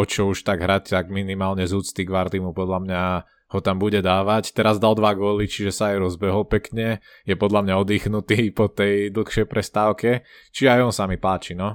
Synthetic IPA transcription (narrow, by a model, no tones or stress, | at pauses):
ɔt͡ʃɔuʃt̪aɡɦɾact̪aɡminimaːlɲɛzuːt͡st̪iɡʋaɾd̪imupɔd̪ʎamɲa | hɔt̪ambuɟɛd̪aːʋact̪ɛɾazd̪ald̪ʋaɡʊɔlit͡ʃiʒɛsaajɾɔzbɛɦɔlpɛkɲɛ | jɛpɔd̪lamɲaɔd̪iːxnut̪iːpɔt̪ɛjd̪l̩xʃɛjpɾɛst̪aːʊkɛ | t͡ʃiʒɛajɔnsamipaːt͡ʃinɔ